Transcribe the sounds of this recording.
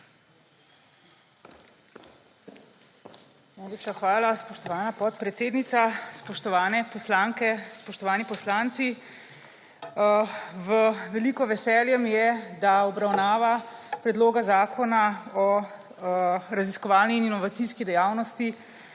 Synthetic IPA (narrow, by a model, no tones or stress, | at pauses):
najleːpʃaxʋaːlaspɔʃt̪ɔʋaːnapɔt̪pɾɛt̪seːd̪nit̪saspɔʃt̪ɔʋaːnɛpɔslaːŋkɛspɔʃt̪ɔʋaːnipɔslaːnt̪si | ʋəʋɛlikɔʋɛsɛljɛmjɛd̪aɔbɾawnaːʋapɾɛd̪loːɡazaːkʰɔnaɔ | ɾaziskɔʋaːlniːninɔʋat̪iskid̪ɛjaːwnɔst̪i